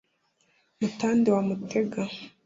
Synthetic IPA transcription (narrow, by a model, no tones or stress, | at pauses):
mutaːndiwamutʰe̞ɡa